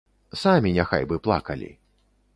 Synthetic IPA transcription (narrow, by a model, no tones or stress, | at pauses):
samʲinʲaxa̰jbɨplˠa̰kɐlʲḭ